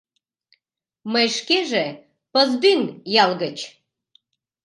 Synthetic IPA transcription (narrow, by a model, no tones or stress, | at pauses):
məjʃkeʒe | pəzd̪ynjɑlɣət͡ɕ